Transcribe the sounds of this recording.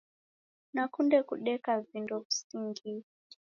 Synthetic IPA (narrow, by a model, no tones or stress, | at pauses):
nakundɛkuɗɛkavindɔm̩siŋɡi